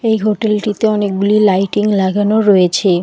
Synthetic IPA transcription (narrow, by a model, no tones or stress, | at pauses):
ejɦoʈelʈit̪eɔnek̚ɡulilajʈiŋlaɡanoɾɔjet͡ɕʰe